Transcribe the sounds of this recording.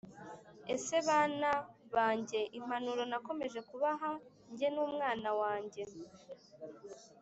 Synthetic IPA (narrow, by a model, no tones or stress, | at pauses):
e̞se̞βaːnaβaːɲɟe̞ʔim̥anuɾo̞nako̞me̞ʒe̞kuβaɦa | ɲɟe̞nuːmŋaːnawaːɲɟe̞